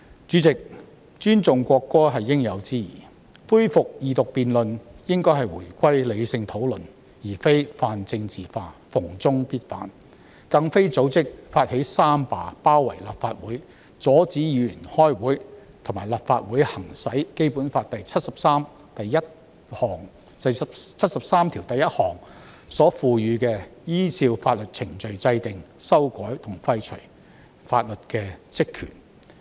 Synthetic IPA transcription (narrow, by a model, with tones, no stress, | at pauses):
t͡ʃyː˨˥t͡sɪ˨k̚ | t͡ʃyː˥nt͡sʊ˨ŋkʷɔː˧kːɔː˥ɦɐ˨jːɪ˥ŋjɐ˨˧wt͡siː˥jḭː˨˩ | fuː˥jfʊ˨k̚jiː˨t̪ʊ˨k̚piː˨nlɵ˨njɪ˥ŋkɔː˥jɦɐ˨jwṵː˨˩jkʷɐ˥jle˨˧jsɪ˧ŋt̪ʰo˨˥wlɵ˨n | jiː˨˩fe˥jfaː˧nt͡sɪ˧ŋt͡siː˨faː˧fʊ˨˩ŋt͡sʊ˥ŋpiː˥t̚fa̰ː˨˥n | kɐ˧ŋfe˥jt͡so˨˥wt͡sɪ˥k̚faː˧t̚he˨˥jsaː˥mpa̰ː˨˧paː˥wːɐ̰˨˩jlɐ̰˨p̚faː˧t̚wuː˨˥j | t͡sɔː˨˥t͡siː˨˥jyː˨˩nhɔː˥jwuː˨˥jt̪ʰʊ˨˩ŋmaː˨˩lɐ˨˩p̚fa̰ː˧t̚wuː˨˥jhɐ˨˩ŋsɐ˨˥jke˥jpuː˨˥nfaː˧t̚t̪ɐ˨jt͡sʰɐ˥t̚sɐ˨p̚saː˥m | t̪ɐ˨jjɐ˥t̚ | hɔː˨˩ŋ | tɐ˨jsɐ˨pt͡sʰɐ˥t̚sɐ˨p̚saː˥mt̪ʰiː˨˩wt̪ɐ˨jɐ˥t̚hɔː˨˩ŋ | sɔː˨˥fuː˨jyː˨˧kɛː˧jiː˥t͡sʰiː˧wfaː˧t̚lɵ˨t̚t͡sʰɪ˨˩ŋt͡ʃɵ˨ɥt͡sɐ˧jt̪ɪ˨ŋsɐ˥wkɔː˨˥jt̪ʰʊ˨˩ŋfɐ˧jt͡ʃʰɵ˨˩ | faː˧t̚lɵ˨t̚kɛː˧t͡sɪ˥kʰːyː˨˩n